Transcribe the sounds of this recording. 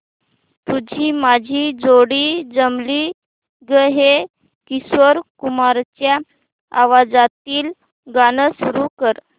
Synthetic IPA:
t̪ud͡ʑʱiːmad͡ʑʱiːd͡zoɽiːd͡zəmli | ɡəɦe | kisʋəɾkumaɾt͡ɕja | aʋad͡zat̪iːl | ɡanəsuɾukəɾ

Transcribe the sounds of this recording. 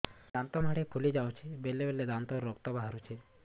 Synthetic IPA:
d̪ant̪ɔm̤aɽepʰulid͡ʒawt͡ʃʰibelːebelːed̪ant̪ɔɾːɔkt̪ɔbaɦaɾut͡ʃʰe

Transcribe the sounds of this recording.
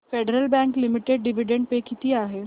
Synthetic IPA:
feɖəɾəlbɛ̃ŋklimiʈeɖ̚ɖiʋiɖeɳɖpekit̪iːaɦe

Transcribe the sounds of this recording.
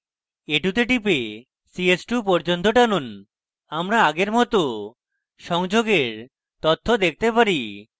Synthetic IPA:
eʈut̪eʈipe | siesʈupɔɾd͡ʑont̪oʈanun | amɾaaɡeɾmɔt̪o | ʃɔŋd͡ʑoɡeɾ | t̪ot̪ʰːod̪ek̚ʰt̪epaɾi

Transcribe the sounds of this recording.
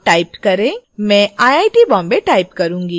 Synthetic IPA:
ʈaːɪpkɐɾẽmɛ̃ːaːjaːɪʈibɔ̃ːmbeʈaːɪpkɐɾũːŋɡiː

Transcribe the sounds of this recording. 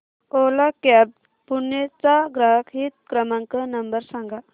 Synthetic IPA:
olakɛb̚ | punːjet͡saɡɾaɦkɦit̪̚kɾəmaŋkənəmbəɾsãŋɡa

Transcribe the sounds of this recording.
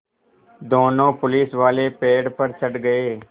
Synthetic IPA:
d̪oːnõːpʊlɪːsʋaːleːpeːɽpəɾt͡ʃʰəɖɡəeː

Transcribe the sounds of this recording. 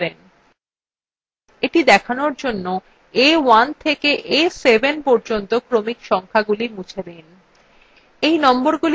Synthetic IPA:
ɾen | eʈid̪ɛkʰanoɾd͡ʑonːo | ewant̪ʰekeʔesebenpɔɾd͡ʑont̪okɾomikʃɔŋkʰaɡulimut͡ɕʰed̪en | ejnɔmboɾɡul

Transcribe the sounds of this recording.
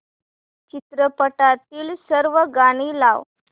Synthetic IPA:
t͡ɕit̪ɾəpəʈat̪iːlsəɾʋəɡaɽ̃iːlaʋ

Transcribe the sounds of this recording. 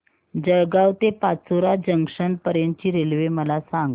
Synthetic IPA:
d͡ʑəɾɡawt̪epat͡soɾad͡ʑəŋʂənpəɾjə̃nt͡ɕiːɾelʋeməlasãŋɡ

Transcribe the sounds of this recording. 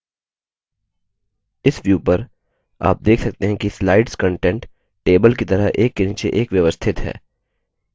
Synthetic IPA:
ɪsʋjuːpɐɾ | a̰ːp̚d̪eːkʰsɐk̚t̪eɦɛ̃kislaːɪɖskə̃ɳʈɛ̃ɳʈ | ʈeːbəlkit̪ɐɾəɦʔeːkːeniːt͡ʃeʔeːkʋjɐʋəst̪ʰɪt̪ɦɛ̰ː

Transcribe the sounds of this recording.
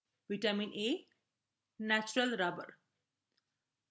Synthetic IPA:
ʋɪʈəmɪ̃ne | næt͡ʃʊɾəlɾabə̰ɾ

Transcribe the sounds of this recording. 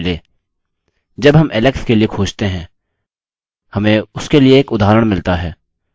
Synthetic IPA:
leː | d͡ʒɐbɦɐmɪlɛkskeliekʰoːʃt̪eɦɛ̃ː | hɐmẽʊskelieːkʊd̪ʱaːɾəɽ̃mɪlt̪aɦɛː

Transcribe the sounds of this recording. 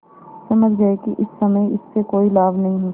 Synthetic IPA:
sɐməd͡ʒd͡ʒaːekiʔɪsːɐməiɪsːekoːilaːbnɐɦĩɦo

